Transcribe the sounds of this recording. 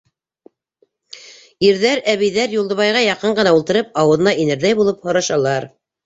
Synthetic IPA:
iɾðæɾæβĭjðæɾjulˠd̪ɤ̆βɑjʁɑjɑqɤɴɢɤ̆nɑulˠt̪ɤ̆ɾɤp̚ɑwɤ̆ðɤ̆nɑinɘ̆ɾðæjbulˠɤphŏɾɑʃɑlˠɑɾ

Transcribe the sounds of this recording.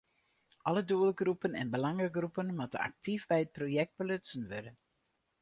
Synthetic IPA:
ʔɑləduəlˠɡrupənɛ̰nbəlɑŋəɡrupənmatə̰na̰k̚tivbɛjət̚projɛk̚d̚bəløtsənʋødə

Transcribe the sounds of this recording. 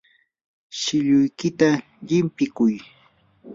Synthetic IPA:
ʃɪʎʊjkɪt̪a | ʎɪmpɪkʊj

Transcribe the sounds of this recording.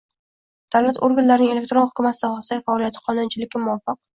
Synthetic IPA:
d̪̥awlat̪oɾɡʲanlaɾnɪŋe̞lek̚ʲt̪ɾonhʊ̥kʰʲʊmat̪ʰɪd̪ahɒsajfaɒlijat̪ʰɪ̥qʰɒnʊnt͡ʃʰɪlɪɡʲɪmʊwɒfɪq̚

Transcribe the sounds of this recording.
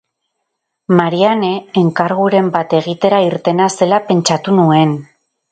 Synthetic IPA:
maɾiane̞ːŋkaɾɣuɾe̞mbat̪e̞ɣ̞it̪e̞ɾaiɾt̪e̞nase̞lape̞nt͡ʃat̪unue̞n

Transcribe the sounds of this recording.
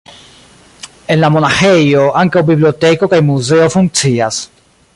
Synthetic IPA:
enlamonaxejoʔaŋkeobiβliot̪ekokajmuzeofuŋsias

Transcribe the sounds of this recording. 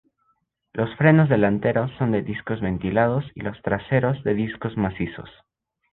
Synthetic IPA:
lo̞sfɾe̞no̞zðe̞lant̪e̞ɾo̞sːo̞nd̪e̞ðiskozβe̞nt̪ilað̞osḭlo̞st̪ɾase̞ɾo̞zðe̞ðisko̞zmasiso̰s

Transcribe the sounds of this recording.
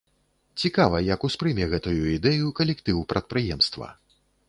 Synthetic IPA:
t͡sʲikavɐjɐkuspɾɨmʲɛɣɛt̪ujuid̪ɛjukɐlʲɛkt̪ɨwpɾʔɐt̪̚pɾɨjɛmst̪vɐ̰

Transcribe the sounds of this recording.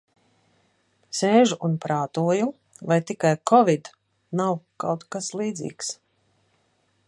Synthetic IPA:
seːʒuʔunpɾaːt̪uɔju | vajt̪ikajkɔvid̪ | nawkawt̪kaslˠiːd̪zḭːks

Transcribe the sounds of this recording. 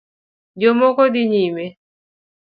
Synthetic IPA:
d͡ʒomɔkɔd̪iɲime

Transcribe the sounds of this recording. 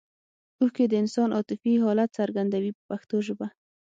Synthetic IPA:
uxked̪əɪnsɑnʔɑt̪ɪfiɦɑlat̪saɾɡand̪awipəpaxt̪oʒəba

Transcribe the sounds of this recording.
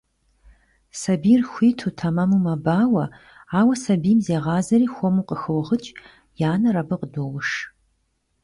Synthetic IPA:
sɐbiːrxʷiːtʰuːtʰɐmɐmumɐbaːwɐ | aːwɐsɐbiːmzeːʁɑːzɐɾiːxʷɔmuːqəxɨwʁət͡ʃʼ | jaːnɐɾɐbɨqədoːwʊʂ

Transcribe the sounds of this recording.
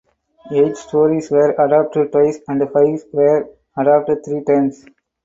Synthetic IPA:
eːd͡ʒsʈʰoːɾisʋɛːɾɐɖaːp̚ʈəʈwaɪsæ̃ɳɖfaɪʋsʋɛɾ | ɐɖaːp̚ʈət̪ʰɾiːʈɛ̃ɾms

